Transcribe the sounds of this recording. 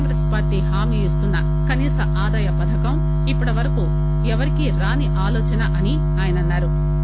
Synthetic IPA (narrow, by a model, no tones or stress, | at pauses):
ŋɡɾeːspaːɾʈiɦaːmiːist̪unːɐ | kɐniːsɐʔaːd̪aːjɐpɐd̪ʰʱɐkɐm | ipːuɽɐʋɐɾɐkuː | ɛʋɐɾikiɾaːniʔaːlɔːt͡ʃɐnɐʔɐni | aːjɐnɐnːaːɾu